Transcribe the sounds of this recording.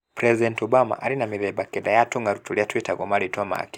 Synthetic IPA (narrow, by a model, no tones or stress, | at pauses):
pɾɛzidɛntɔbama̰ʔaɾinamiðɛbakɛdajatuŋɡaɾutuliatwɛtaɡɔmalitɔama̰a̰ki